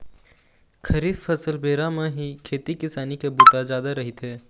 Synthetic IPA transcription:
kʰɐɾiːffɐsəlbeːɾamẽɦikʰeːt̪ikɪsaːnikebʊt̪azjaːd̪aɾɐɦɪt̪ɦɛː

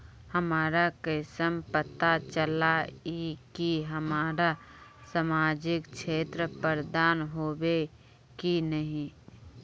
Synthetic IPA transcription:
həmaːɾakəsəmpət̪at͡ʃəlaikiɦəmaːɾasamaːd͡ʒɪkʃeːt̪ɾəpəɾd̪aːnɦoːwe | kinəɦĩ

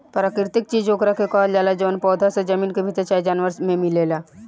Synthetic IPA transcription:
pɾaːkɾt̪ɪk̚t͡ʃiːd͡ʒoːkɾakʰekɔːld͡ʒaːlad͡ʒoːnpɔːd̪ʱased͡ʒɐmiːnkebʱit̪et͡ʃajd͡ʒaːnʋəɾsmẽmɪleːlaː

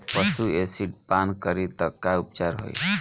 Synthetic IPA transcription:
pəsuesiʈpankəɾit̪əkːaup̚t͡ʃaɾɦo̰j

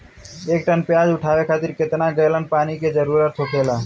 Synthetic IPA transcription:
eːk̚ʈənpjaːd͡ʒʊʈʰaːʋekʰaːt̪ɪɾkɪt̪naɡəjlənpaːniked͡ʒəɾuːɾət̪ʰɦoːkeːlaː

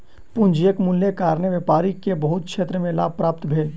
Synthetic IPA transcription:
pʊ̃nd͡ʒijəkmʊljekaːɾneʋepaːɾikebəɦʊt̪̚kʃeːt̪ɾəmẽlaːb̚pɾaːp̚t̪bʱeːd͡ʒ

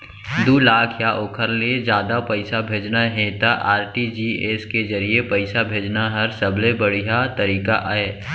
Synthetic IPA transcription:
d̪uːlaːkʰjaʔoːkʰəɾled͡ʒjaːd̪apəɪsabʱeːd͡ʒnaɦẽt̪aʔaːɾʈid͡ʒieːskezɐɾiepəɪsabʱeːd͡ʒnaɦɐɾsəblebəɽ̤ijat̪əɾiːkaʔaeː

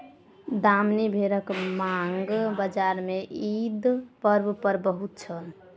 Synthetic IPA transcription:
d̪amnibʱeɾəkmaŋɡbəd͡ʒaɾmeʔid̪pəɾbpəɾbəɦut̪̚t͡ʃʰəl

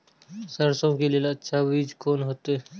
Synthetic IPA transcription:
səɾsõkelielətːʃʰabiːd͡ʒkoːnɦoːt̪eɛ

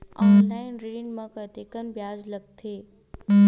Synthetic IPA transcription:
ɔːnlaːɪnɾiinmɐ̃kət̪ekənbjaːzlɐɡ̚t̪ʰeː

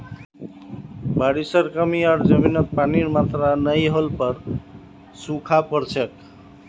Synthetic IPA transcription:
baɽisəɾkəmiaɾd͡ʒəminət̪̚paniɾmat̪ɾanəjɦolpəɾ | sukʰapəɾt͡ʃʰek

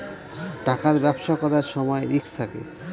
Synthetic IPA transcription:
ʈakaɾbɛbʃakɔɾaɾʃɔmɔeikt̪ʰakḛ

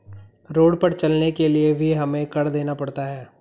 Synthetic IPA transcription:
ɾoːɽpɐɾt͡ʃɐlnekeliebʱiɦɐmẽkɐɾd̪eːnapɐɽt̪aɦɛː

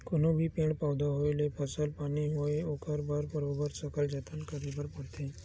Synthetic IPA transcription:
konobʱiːpẽɳpawd̪ʱaɦojlepʰəsəlpaniɦoeokaɾbaɾbəɾobəɾsəkəld͡ʒat̪ənkəɾibəɾpəɽt̪ʰẽ

